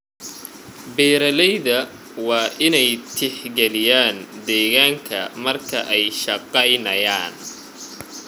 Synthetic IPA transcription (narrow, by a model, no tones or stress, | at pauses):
bɛːɾɐlɛjðɐ | wɑːʔɪnɛjt̪ʰɪħɡɛlɪjaːnd̪ɛːɣaːŋkʰɐ̰mɐrkʰɐ̰ʔɛjʃɑqɛjnɐjaːn